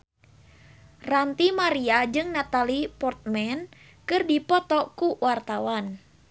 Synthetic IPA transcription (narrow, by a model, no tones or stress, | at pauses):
rant̪imaɾiad͡ʒɨŋnat̪alipɔrt̪̚mɛn | kɨrdipɔt̪ɔkuwart̪awan